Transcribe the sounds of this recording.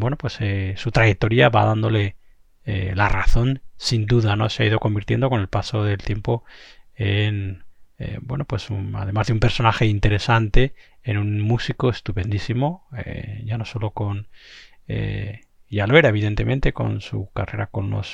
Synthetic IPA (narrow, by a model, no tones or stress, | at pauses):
bwe̞no̞pwesesut̪ɾajek̚t̪o̞ɾiaβaðand̪o̞le̞ | ḛlaraθo̞nsind̪uðano̞seaiðo̞ko̞mbiɾt̪je̞nd̪o̞ko̞ne̞lpaso̞ðe̞lt̪je̞mpo̞enḛbwe̞no̞pwe̞suna̰ðe̞mazðeumpe̞ɾso̞naxe̞int̪e̞ɾe̞sant̪e̞ | enũnmusiko̞est̪upe̞nd̪isimo̞ḛʝano̞so̞lo̞ko̞n | ḛ | ʝaloe̞ɾae̞β̞iðe̞nt̪e̞mẽ̞nt̪e̞ko̞̰nsṵkare̞ɾako̞̰nlo̞̰s